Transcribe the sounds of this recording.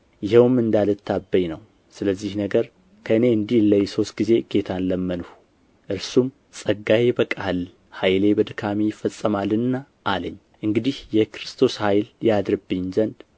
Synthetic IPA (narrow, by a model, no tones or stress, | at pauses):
jɪhɛwmːɨnd̪alət̪ʰːabːəjnəw | sɨləzːihnəɡəɾ | kʰəɨne̞ɨnd̪ihləjso̞st̪̚ɡ̥ize̞ɡe̞t̪ʰanləmːənhu | ʔɨɾsum | sʼəɡːajebəkʼal | hajlebəd̪kʰamijɪfːəsʼːəmalɨnːa | ʔaləɲːʔɨŋɡɨd̪ihjɛkɨɾɨst̪ʰo̞shajljad̪ɾɨbːɨɲːzənd̪